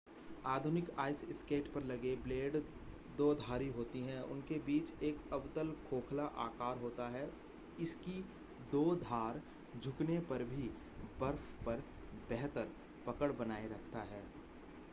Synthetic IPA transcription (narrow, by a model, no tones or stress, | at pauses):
aːd̪ʱʊnɪkaːɪsɪskeːʈpɐɾlɐɡebleːɖ | d̪oːd̪ʱaːɾiɦoːt̪iɦɛ̃ʊ̰nkebiːt͡ʃeːkɐʋt̪əlkʰoːkʰlaʔaːkaːɾɦoːt̪aɦɛː | ɪski | d̪oːd̪ʱaːɾ | d͡ʒʱʊknepɐɾbʱi | bɐɾfpɐɾ | bɛɦt̪əɾ | pɐkəɽbɐnaːeɾɐkʰt̪aɦɛː